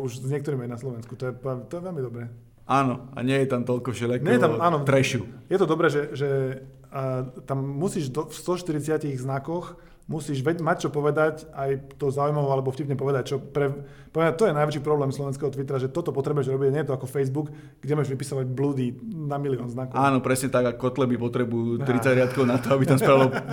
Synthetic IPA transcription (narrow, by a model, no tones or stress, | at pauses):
uʒzɲɪɛkt̪ɔɾimajnaslɔʋɛnsku̥t̪ɔjɛpɛt̪ɔjɛʋɛlmid̪ɔbɾɛː | anɔa̰ɲɪɛjɛt̪amt̪ɔʎkɔfʃɛʎakɲɛjɛt̪amaːnɔt̪ɾɛʃṵjɛt̪ɔd̪ɔbɾɛːʒɛʒɛ | t̪amːusiːʒd̪ɔfst̪ɔʃt̪iɾit͡sɪaciɣznakɔx | musiːʒʋɛmac̚t͡ʃɔpɔʋɛd̪acajt̪ɔzaːujmaʋɔalɛbɔfcipɲɛpɔʋɛd̪ac̚t͡ʃɔpɾɛ | pɔʋɛat̪ɔjɛnajʋɛt͡ʃiːpɾɔblɛːmslɔʋɛnskɛɦɔt̪ʋit̪ɾaʒɛt̪ɔt̪ɔpɔt̪ɾɛbujɛʒɾɔbiɟaɲɛjɛt̪ɔakɔfɛjzbuk | ɡɟɛmɔjɛʒʋipisɔʋaɟ̚blud̪inamiliɔːnznakɔaːnɔpɾɛsɲɛt̪aɡakːɔt̪lɛbipɔt̪ɾɛbuut̪ɾit͡saɟɾɪat̪̚kɔʊnat̪ɔabit̪amsɾalɔ